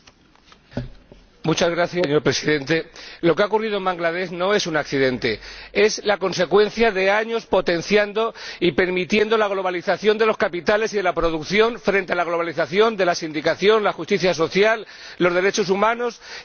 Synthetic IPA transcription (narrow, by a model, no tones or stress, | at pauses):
mut͡ʃazɣɾaθjaeɲo̞ɾpɾe̞siðe̞nt̪e̞lo̞keaokurið̞oembaŋɡlað̞e̞zno̞e̞sunakθiðe̞nt̪e̞e̞slako̞nse̞kwe̞n̟θjaðe̞aɲo̞spo̞t̪e̞nθjand̪o̞ipe̞ɾmit̪je̞nd̪o̞laɣ̞lo̞β̞aliθaθjo̞nd̪e̞lo̞skapit̪ale̞siðe̞lapɾo̞ð̞ukθjo̞ɱfɾent̪e̞alaɣ̞lo̞βaliθaθjo̞nd̪e̞lasind̪ikaθjo̞nlaxust̪iθjaso̞θjalː | o̞zðe̞ɾe̞t͡ʃo̞sumãno̞s